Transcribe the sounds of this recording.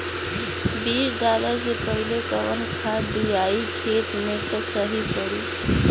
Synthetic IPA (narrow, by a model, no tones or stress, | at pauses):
biːsɖaləɾzepəɦilekəʋənkʰad̪ijaikʰet̪met̪osəɦipəɽiː